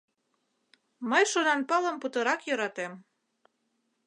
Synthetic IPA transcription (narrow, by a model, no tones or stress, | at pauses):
məjʃonɑnpɑlə̆mput̪ɤ̆ɾɑkjɤɾɑt̪em